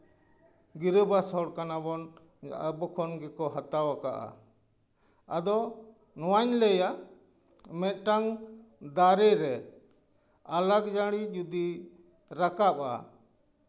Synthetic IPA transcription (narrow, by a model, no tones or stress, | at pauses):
ɡiɾəbasɔɽkanabɔn | əbɔkʰɔnɡɛkɔɦat̪awaka̰ʔa̰ | ad̪ɔ | nɔwaɲlɛja | mɛt̪̚ˀʈaŋd̪aɾɛɾɛ | alaɡd͡ʒaɽid͡ʒud̪i | ɾakap̚a̰